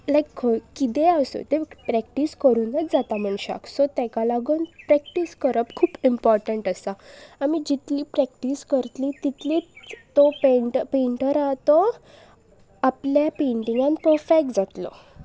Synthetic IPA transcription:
lajkːkit̪eəso̰t̪epɾɛkʈiskəɾuːnːət͡sd͡zat̪am̤əɳɕa̰ksot̪ɛ̃kalaɡuːnpɾɛk̚ʈiskəɾəpkʰuːpimpɔɾʈəɳʈəsaamid͡ʑit̪liːpɾɛk̚ʈiskəɾt̪liːt̪it̪lit̪ːɔpeɳʈəpeɳʈəɾat̪ɔ | apljapẽɳʈiŋɡãnpəɾfek̚ʈ̚d͡zat̪lɔ̰

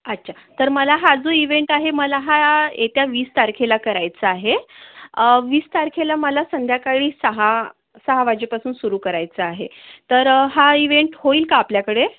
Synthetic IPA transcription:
ət̚ːɕʰat̪əɾməlaɦad͡zoiʋeɳʈaɦeməlaɦajʔḛt̪jaʋiːst̪aɾkʰelakəɾajt͡səaɦeəʋiːst̪aɾkʰelaməlasənd̪ʱjakaɭiːsəɦa | səɦaʋad͡ʑepasuːnsuɾuːkəɾajt͡səaɦḛt̪əɾɦaiʋeɳʈhoiːlkaːpljakəɽe

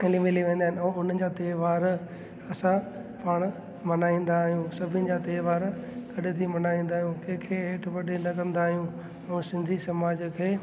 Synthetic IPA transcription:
elimeliʋẽːn̆d̪aːɪnɪoːʊnd͡ʑaːt̪eːʋaːɾ | ɐsãpaːɽ̃ | mɐnaːĩːn̆d̪aːɦijũsɐbʱɪnɪ̆d͡ʑaːt̪eːʋaːɾɡɐɗɪt̪ʰimɐnaːĩːn̆d̪aːɦijũkẽɦkʰeːeːʈʋɐɗenɐkɐ̃nd̪aːɦijũ | ũːsɪ̃nd̪ʱisɐmaːd͡ʑkʰeː

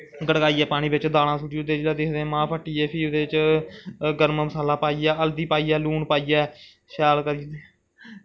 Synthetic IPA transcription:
ɡəɽɡaːiːɛːpaːɽ̃ĩːbɪt͡ʃd̪aːɽãːsuːʈiːʊd̪eːt͡ʃlad̪eːkd̪ẽːmãːpʰəʈːiːɛːpʰiːd̪eːɪt͡ʃ | ɡəɾmməsaːlaːpaːiːjɛːəld̪iːpaːiːɛːluːɳpaːiːɛː | saːlkəɾieː

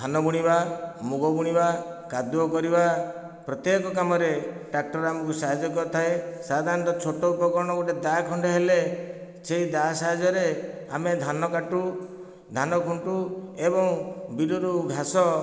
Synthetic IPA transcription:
d̪ʱanɔbuɽ̃ibamuɡɔbuɽ̃iba | kad̪uɔkɔɾiba | pɾɔt̪jekɔkamɔɾeʈak̚ʈɔɾamɔkusaɦad͡ʒɔkɔɾt̪ʰaesad̪ʱaɾɔnt̪ɔt͡ʃʰoʈɔupɔkɔɾɽ̃ɔɡoʈed̪akʰɔɳɖʱɔɦeleseid̪asaɦad͡ʒɔɾe | amed̪ʱanɔkaʈu | d̪ʱanɔkʰuɳʈuebɔŋbiluɾubʱasɔ

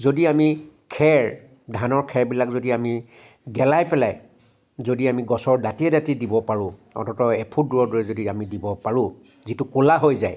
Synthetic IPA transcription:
zodiamikʰɛɹ | dʱanɔɹkʰɛɹbilakzodiami | ɡɛlajpɛlaj | zodiamiɡɔsɔɹdatiɛdatidibɔpaɹʊ̃ɔ̰tɔtɔɛpʰuduɹɔɹdɔɹɛzodiamidibɔpaɹʊ̃ | zitukolaɦojzaj

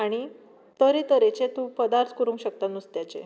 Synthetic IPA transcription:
aɽ̃i | t̪əɾet̪əɾet͡ɕet̪ũpəd̪aɾt̪kuɾũŋkɕək̚t̪anust̪jat͡ɕḛ

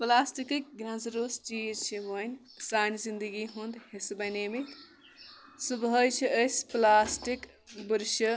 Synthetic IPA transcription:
plaːsʈikik̚ɡɾɐ̃nzɾoːst͡ʃiːzt͡ʃʰimɐnʲ | saːnzind̪əɡiɦund̪hesobɐjneːmik | subɦəjt͡ʃʰiʔəsplaːsʈik | buɾʃɐ

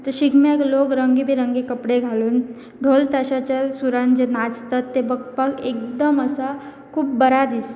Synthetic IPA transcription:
t̪əɕiɡmeklokɾəŋɡibʱiɾəŋɡikəpɽeɡʱaluːn | ɖʱolt̪aɕat͡ɕasuɾand͡ʑenad͡zt̪at̪ːebək̚pakek̚d̪əməsa | kʰuːpbəɾad̪is

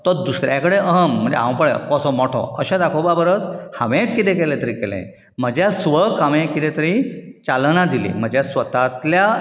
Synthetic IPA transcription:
t̪ɔd̪usɾjakəɽeʔəɦəm̤ːəɳd͡zḛɦã̰pəɭḛkɔsɔmɔʈʰɔ̰̃əɕẽd̪akʰobabəɾət͡shaʋẽkːit̪ẽkelẽt̪əɾikelḛ̃ | m̤əd͡ʑjasʋəkʰamẽkit̪ẽt̪əɾĩt͡ɕalnad̪ilḭm̤əd͡ʑjasʋət̪at̪lja

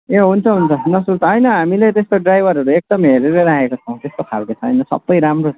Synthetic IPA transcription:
eɦunt͡sʰʌɦunt͡sʰʌnʌsult͡sʰʌɦʌjnʌɦamilet̪est̪oɖrajbʱʌɾɦʌɾuek̚d̪ʌmɦeɾeɾʌɾakekot͡sʰʌw̃t̪est̪okʰalket͡sʰʌɦʌ̰jnʌsʌ̰bbʌjɾamro

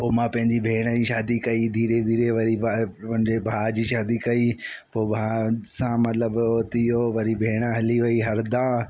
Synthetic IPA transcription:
poːmãpɐ̃ɦɪ̃ɲd͡ʑibʱeːɽ̃əĩʃaːd̪ikɐid̪ʱiːɾed̪ʱiːɾeʋɐɾipɐ̃ɦɪ̃ɲd͡ʑebʱaːd͡ʑiːʃaːd̪ikɐipoːbʱaːsãmɐt̪ləbot̪ijoʋɐɾibʱeːɽ̃əɦɐliʋɐiɦɐɾd̪ãː

